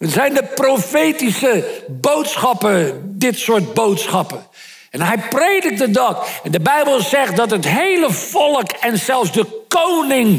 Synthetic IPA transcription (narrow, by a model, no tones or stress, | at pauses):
əzɛjndəprofejtisəbowtsχɑpədɪtsʊːɹt̚bowtsχɑpə | ɛnɦɛjprejdɪk̚tdədɑkɛndəbɛjbəlˠzɛχt̚dɑtɦətɦejləfɔlˠəkɛnsɛlˠfzdəkownɪŋ